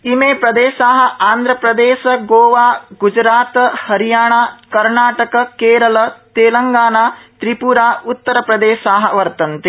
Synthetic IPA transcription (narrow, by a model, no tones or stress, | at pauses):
imeːpɾɐd̪eːʃaːɦɐ̆aːnd̪ʱɾɐpɾɐd̪eːʃɐɡoːʋaːɡud͡ʒɾaːt̪hɐɾijaːɳaːkɐɾɳaːʈɐkɐkeːɾɐlɐt̪eːlɐŋɡaːnaːt̪ɾipuɾaːut̪ːɐɾɐpɾɐd̪eːʃaːɦɐ̆ʋɐɾt̪ɐnt̪e